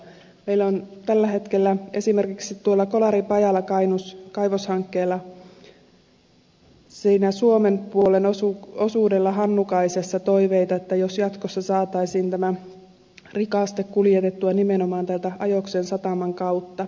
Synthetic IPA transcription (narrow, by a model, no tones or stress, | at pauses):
meilːont̪ælːæɦe̞t̪kelːæe̞sime̞rkiksit̪tuolːɑkolɑɾipɑjɑlːɑkɑinuskɑiʋoshɑŋkːeːlːɑ | siːnæsuomempuolenosuosuːdelːɑɦɑnːukɑisesːɑt̪o̞iʋeit̪ɑet̪ːæjosjɑt̪kosːɑsɑːt̪ɑisiːnt̪æmæ | rikɑˑst̪ekkuljet̪et̪ːuɑnimenomɑːnt̪ælt̪æɑjoksensɑt̪ɑmɑŋkɑut̪ːɑ